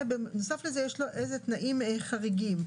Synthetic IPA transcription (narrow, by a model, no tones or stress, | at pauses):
benosaflezejeʃloʔejzet̪naʔimeχaʁiɡim